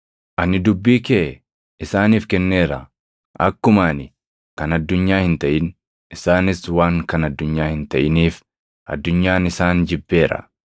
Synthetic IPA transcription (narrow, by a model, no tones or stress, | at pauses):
ʔɐnɪd̪ʊbːiːkeː | ʔɪsaːniːfkɛnːe̞ːɾɐ̰ | ʔɐkːʊmaːnɪ | kɐnɐd̪ːʊɲːaːhɪnt̪ɐʔɪn | ɪsaːnɪswaːŋkɐnɐd̪ːʊɲːaːhɪnt̪ɐʔɪniːf | ʔɐ̰d̪ːʊɲːaːnɪsaːnd͡ʒɪbːe̞ːɾɐ̰